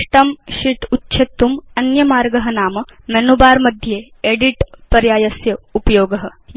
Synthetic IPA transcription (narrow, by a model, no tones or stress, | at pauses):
ʈɐmʃiʈ̪utːɕʰet̪ːumɐnjɐmaːɾɡɐɦɐnaːmɐmɐnubaːɾmɐd̪ʱjeː | eɽiʈpɐɾjaːjɐsjɐupɐjoːɡɐɦə̆